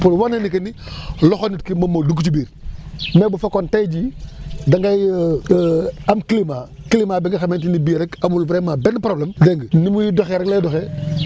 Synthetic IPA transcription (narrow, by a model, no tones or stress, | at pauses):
pulwanenikəniloxonitkimomoduk̬t͡ʃubiːɾmebufakontejd͡ʒidaŋɡaj | amkilima | kilimabeŋɡaxamentinibiɾekamulvɾemabenpɾoblemdeŋɡnimujidoxeɾekleːdoxe